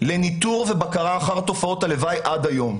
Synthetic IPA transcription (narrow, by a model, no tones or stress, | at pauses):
lenit̪uʁvebakaʁaːχaʁt̪o̞fao̞t̪alevajʔad̪ajo̞m